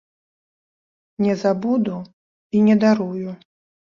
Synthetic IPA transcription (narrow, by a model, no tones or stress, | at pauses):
nʲɛzabud̪u | inʲɛd̪aɾuju